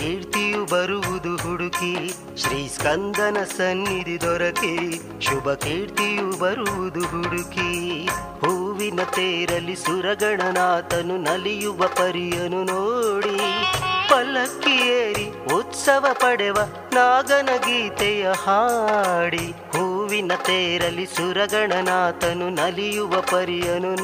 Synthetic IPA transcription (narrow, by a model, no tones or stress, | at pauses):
kiːɾt̪ijubɐɾuʋud̪uɦuɽuki | ʃɾiːskɐnd̪ɐnɐsɐnːid̪id̪ɔɾɐke | ʃubɐkiːɾt̪ijubɐɾuʋud̪uɦuɽuki | huːʋinɐt̪eːɾɐlːisuɾɐɡɐɳɐnaːt̪ɐnunɐlijuʋɐpɐɾijɐnunoːɽi | pɐlɐkːijeːɾi | ut̪sɐʋɐpɐɽɛʋɐ | naːɡɐnɐɡiːt̪ɛjɐhaːɽi | huːʋinɐt̪eːɾɐlːisuɾɐɡɐɳɐnaːt̪ɐnunɐlijuʋɐpɐɾijɐnu